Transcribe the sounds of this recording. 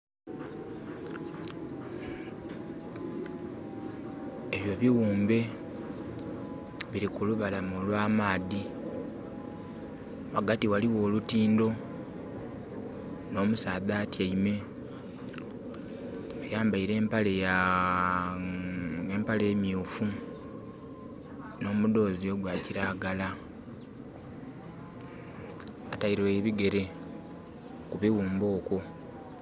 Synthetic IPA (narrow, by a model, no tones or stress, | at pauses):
eβjo̞βiɣuːmbe̞ | βiɾikuluβalamulwaːmaːði | waɡatiwaliwo̞ːlutiːndo̞ | no̞ːmusaːðaːtjaime̞ | wajaːmbaiɾe̞ːmpaleja | empaleemiufu | no̞ːmudo̞ːzioɡwaːciɾaːɡala | atajiɾewe̞βiɡe̞ɾe̞ | kuβiwuːmbo̞ːko̞